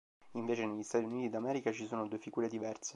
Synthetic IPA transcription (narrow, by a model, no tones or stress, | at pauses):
iɱveːt͡ʃeneʎːist̪at̪iuniːt̪id̪amɛːɾikat͡ʃisoːnod̪uːefiɡuːɾed̪ivɛrse̥